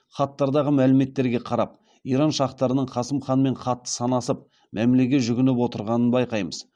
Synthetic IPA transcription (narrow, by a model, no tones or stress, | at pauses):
χɑt̪ːɑɾd̪ɑʁəmælɪme̞t̪ːe̞ɾɡʲe̞qʰɑɾɑp̚ | ijɾɑnʃɑqt̪ɑɾənəɴχɑsəmχɑnme̞ɴχɑt̪ːə̥sɑnɑsəp̚ | mʔæmlekʲet̪ʒʏɡʲɪnɪpwo̞t̪əɾʁɑnənbɑjqɑjməz̥